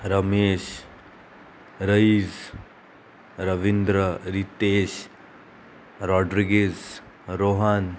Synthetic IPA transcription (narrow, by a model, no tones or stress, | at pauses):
ɾɐmeːʃ | ɾəiz | ɾɐʋind̪ɾəɾit̪eːʃ | ɾɔːɖɾiɡez | ɾoɦan